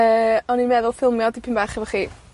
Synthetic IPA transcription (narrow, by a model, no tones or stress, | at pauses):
əːɔninmɛðʊlˠfɪlˠmjɔdipʰinbaχɛvɔχiː